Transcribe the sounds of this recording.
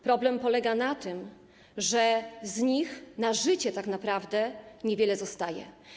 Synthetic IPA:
pɾɔblɛmpɔlɛɡanat̪ɘm | ʐɛzɲixnaʐɘt͡ɕɛt̪aknapɾavd̪ɛɲevʲjɛlɛzɔst̪ajɛ̰

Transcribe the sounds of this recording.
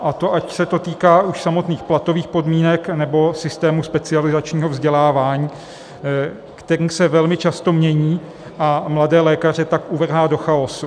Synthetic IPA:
ʔat̪o̞ʔacsɛt̪o̞t̪iːkaːʔuʃsamo̞t̪niːxplat̪o̞viːxpo̞dmiːnɛknɛbo̞sɪst̪ɛːmuspɛt͡sɪalɪzat͡ʃɲiːɦo̞vzɟɛlaːvaːɲiː | kt̪ɛɾiːmsɛvɛlmɪt͡ʃast̪o̞mɲɛɲiː | ʔamladɛːlɛːkar̝ɛt̪akʔuvr̩ɦaːdo̞xaosu

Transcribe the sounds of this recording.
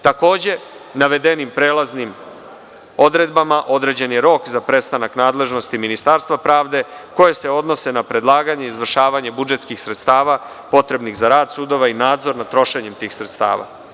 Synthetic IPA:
t̪ako̞ːd͡ʑe̞ | naʋe̞d̪e̞nimpɾe̞ːlˠaznim | o̞d̪ɾe̞d̪̚bamaʔo̞d̪ɾe̞d͡ʑe̞njeɾo̞kzapɾe̞st̪anaknaːd̪le̞ʒno̞st̪iminist̪aɾst̪ʋapɾaːʋd̪e̞ko̞je̞se̞o̞d̪no̞se̞napɾe̞d̪lˠaːɡaɲe̞izʋr̩ʃaːʋaɲe̞bud͡ʒe̞t̪skixsɾet̪st̪aːʋa | po̞t̪ɾe̞bnixzaɾaːd̪sud̪o̞ʋainaːd̪zo̞ɾnat̪ɾo̞ʃe̞ɲemt̪iːxsɾe̞t̪st̪a̰ːʋa̰

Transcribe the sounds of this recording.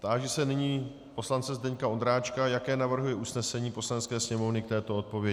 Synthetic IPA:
t̪aːʒɛsɛnɪɲiː | po̞slant͡sɛzdɛɲkaond̪ɾaːt͡ʃkajakɛːnavr̩ɦujɛʔusnɛsɛɲiːpo̞slanɛtt͡skɛːsɲɛmo̞vnɪk̚t̪ɛːt̪o̞o̞t̪̚po̞vjɛɪ

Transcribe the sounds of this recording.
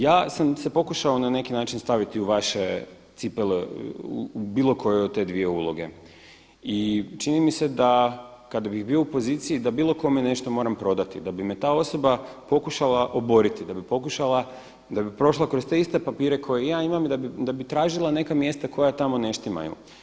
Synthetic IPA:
jaːsamse̞po̞kuʃaonane̞kinaːt͡ʃinst̪aʋit̪iuʋaʃe̞t̪sipeleṵbiːlˠo̞kʰo̞jeot̪e̞d̪ʋie̞ulˠo̞ɡe̞̰ | it͡ʃinimise̞d̪akad̪abiɣbio̞upo̞ziːt̪sijid̪abiːlˠo̞ko̞mene̞ʃt̪o̞mo̞ɾampɾo̞d̪at̪ḭd̪abimet̪aːo̞so̞bapo̞kuʃalˠaʔo̞bo̞ɾit̪id̪abipo̞kuʃala | d̪abipɾo̞ʃlˠakɾo̞st̪e̞ist̪e̞papiːɾe̞kʰo̞jejaːimamid̪abid̪abit̪ɾaːʒilˠane̞kamje̞st̪ako̞jat̪amo̞ne̞ʃt̪ima̰jṵ

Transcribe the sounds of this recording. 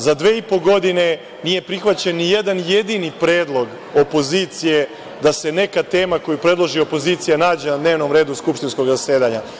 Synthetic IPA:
zad̪ʋe̞ːipo̞ɡo̞d̪ine̞ | nije̞pɾixʋat͡ɕenːije̞d̪anjed̪inipɾeːd̪lˠo̞ɡ | o̞po̞ziːt̪sije̞ | d̪ase̞ne̞kat̪eːmako̞jupɾe̞d̪lˠo̞ʒio̞po̞ziːt̪sijanaːd͡ʑe̞nad̪ne̞ːʋno̞mɾe̞ːd̪uskupʃt̪insko̞ɡzaseːd̪aɲa

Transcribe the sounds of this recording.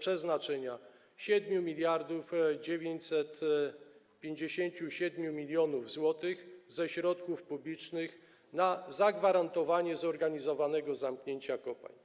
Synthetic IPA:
pʂɛznat͡ʂɛɲa | ɕɛd̪mʲjumʲilʲjaɾd̪ufd͡ʑevʲjeɲt͡ɕsɛt̪ | pʲjeɲd͡ʑeɕeɲt͡ɕuɕɛd̪mʲjumʲilʲjɔnuvzwɔt̪ɘxzɛɕɾɔt̪kufpublʲit͡ʂnɘx | nazaɡvaɾant̪ɔvaɲɛzɔɾɡaɲizɔvanɛɡɔzamkɲeɲt͡ɕakɔpa̰ɲ

